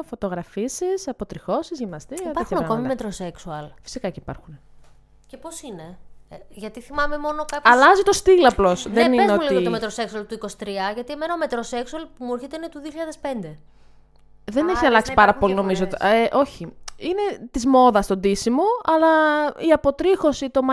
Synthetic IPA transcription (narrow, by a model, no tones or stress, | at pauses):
fo̞t̪o̞ɣɾɐfisisɐpo̞t̪ɾixo̞sizʝimnɐst̪iɾipɐɾxunɐkomimet̪ɾoseksuɐlfi̥sikɐceipɐɾxune | ceposineʝɐt̪iθimɐme̞mo̞no̞kapɐlɐzit̪o̞st̪ilɐplo̞sðeninzeoulit̪iɣot̪omet̪ɾoseksuɐlt̪uikosi̥t̪ɾiɐʝɐt̪ie̞menɐome̞t̪ɾoseksuɐlpumuoɾçit̪einet̪uðioçiʎɐðespe̞nd̪e | ðeneçiɐlɐksipɐɾɐpo̞lino̞mizoot̪eʔo̞çiine̞t̪izmo̞ðɐst̪o̞nd̪isimoɐlɐiɐpo̞t̪ɾixo̞sit̪o̞mɐ